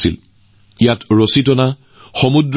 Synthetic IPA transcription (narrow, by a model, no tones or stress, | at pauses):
sḭl | ijatɹositɔna | xɔmudɹ